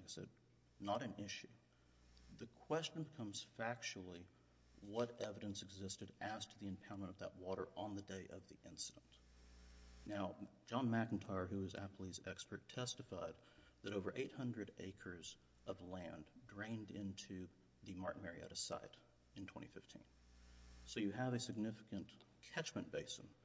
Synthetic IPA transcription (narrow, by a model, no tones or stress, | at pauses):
kasɛ̰d̚ | nəɾɨ̃nɪʃʉ | ðɨkʰw̥ɛst͡ʃɨ̃n̩bɨkʰʌ̃mz̥fæk̚t͡ʃul̩ˠi | wʌɾɛvɨɾɨ̃nsɨɡzɪstɨɾɨz̥tʰɨðiɨ̃mpʰãʊ̃nmə̃ñʌvðəʔ̚wɔɾə̰˞ʔə̃nðɨdeɪʔʌvðiʔɪ̃nsɨɾn̩t | naʊ̥d͡ʒɑ̃nmækn̩tʰaɪɹɦʉʌzæ̰pl̩ˠizɛkspə˞tʰɛstɨfaɪd̪̚ | ðɨɾoʊvə˞ʔeɪt̚hʌ̃ndɹɨɾḛɪkʰə˞z | ʔʌvlæ̃ndɹẽɪ̃ndɪ̃ntʰʉ | ðɨmɑ̰ɹʔmɛɹiæ̰ɾɨsa̰ɪɾ | ɨ̃ntʰw̥ɛ̰̃ɾ̃ifɪftʰḭ̃n | soʊjɨəvɨsɨɡ̚nɪfɨkɨ̃nkʰæt͡ʃmɨ̃nb̥eɪsn̩